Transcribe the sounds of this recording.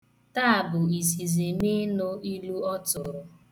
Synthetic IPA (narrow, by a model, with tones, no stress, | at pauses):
ta˦a˨bʊ˨i˨s̬i˨ze˨me˦nʊ˦i˦lu˦ɔ˦tʊ˨ɾʊ˨